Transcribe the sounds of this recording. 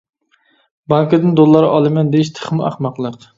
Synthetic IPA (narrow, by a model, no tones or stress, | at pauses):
bɑŋkɨd̪ɪnd̪olˠːɑɾʔɑlˠɨmɛnd̪eiʃt̪ʰə̥χmæ̰χmɑqlˠəq